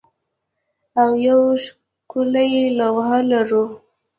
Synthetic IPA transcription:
awjawʃ | kʊlajelawɦalaɾu

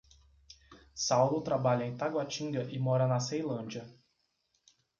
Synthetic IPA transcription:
sawlʊt̪ɾabaʎɐẽj̃t̪aɡwat͡ʃĩŋɡɐʔɪmɔɾɐnɐsejlɐ̃d͡ʒiɐ

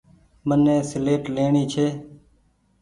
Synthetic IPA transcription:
mənːẽːsɪleːʈleːɳiːt͡ʃʰeː

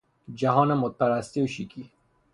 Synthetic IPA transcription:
d͡ʒaɦɔːnamːʊt̪̚paɾast̪iuʃikʰi

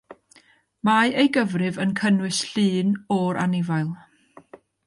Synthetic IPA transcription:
maejɡəvrɨvənkʰənwɨsɬɨːnɔɾʔa̰nɪvajlˠ

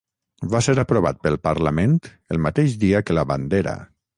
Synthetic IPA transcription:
vaseɾəpɾoβat̪̚pəlˠpaɾlament̪ | əlˠmat̪eʃd̪iəkəlaβand̪eɾa̰

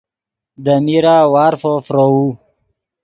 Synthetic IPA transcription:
d̪əmiɾawaːɾfofɾou

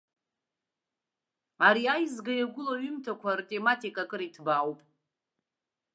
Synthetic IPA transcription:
aɾiajzɡajaɡʷʊlaɥʏmtʰakʷʰartʼe̞matʰʼikʼakʼɨɾitʰbawpʼ

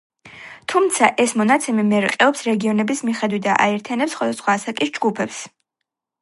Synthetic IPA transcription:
t̪ʰumt̪sʰaʔɛsmɔnat̪sʰɛmimɛɾiqʼɛɔpsɾɛɡiɔnɛbismiχɛd̪wit̪̚d̪a̰ʔa̰ɛɾt̪ʰijanɛpsːχwad̪asχwaːsakʼisd͡ʒɡupʰɛps

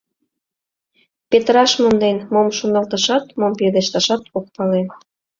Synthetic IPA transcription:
pet̪ɾɑʃmond̪enmomʃonɑlt̪ə̆ʃɑt̪momped̪eʃt̪ɑʃɑt̪ok̚pɑlen

